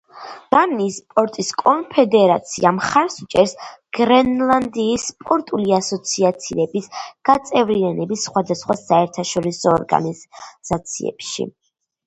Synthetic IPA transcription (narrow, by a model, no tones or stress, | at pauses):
b̥aniːspʼɔɾt̪ʼiskʼɔnpʰɛd̪ɛɾat̪sʰḭamχaɾsut͡ʃʼɛɾsɡ̥ɾɛnlˠand̪iːspʼɔɾt̪ʼuliasɔt̪sʰiat̪sʰiɾɛbisɡ̥at̪sʼɛvɾianɛbisːχwad̪asχwasaɛɾt̪ʰaʃɔɾisɔːɾɡa̰niz̥at̪sʰḭɛ̰pʃḭ